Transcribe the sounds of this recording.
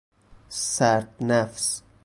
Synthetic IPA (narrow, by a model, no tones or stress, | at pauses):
sæɾt̪nafs